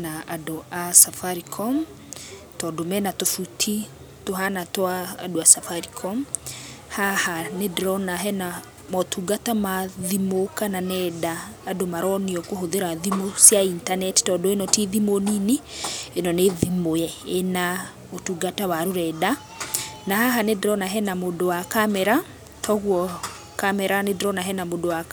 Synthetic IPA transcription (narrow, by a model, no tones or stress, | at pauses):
naadoʔasafaɾikʰɔm | tɔdomɛnatofutʰi | toɦanatwa̰ːdoasafaɾikʰɔm | hahanedɾɔnaɦɛna | mɔtʰuɡatamaðimokananɛdaːdomaɾɔniɔkoɦoðeɾaðimosjaintanɛttɔdɔenɔtiðimoninienɔneðimojɛena | otuɡatawaɾoɾɛda | nahaɦanedɾɔnaɦɛnamodowakamɛɾa | tʰɔɣwɔ | kamɛɾanedɾɔnaɦɛnamodowa